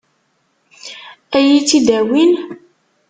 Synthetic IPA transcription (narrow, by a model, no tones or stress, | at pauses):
æjit͡sːid̪æwin